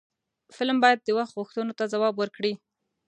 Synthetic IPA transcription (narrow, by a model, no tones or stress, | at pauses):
fɪlmbɑjad̪ːəwaxt̪ɣuxt̪ənot̪azawɑbwəɾkɽi